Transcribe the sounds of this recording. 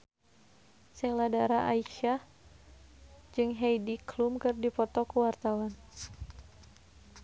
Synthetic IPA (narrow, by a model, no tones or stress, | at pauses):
sɛladaɾaʔa̰iʃa | d͡ʒɨŋɦejdiklumkɨrdipɔt̪ɔkuwart̪awan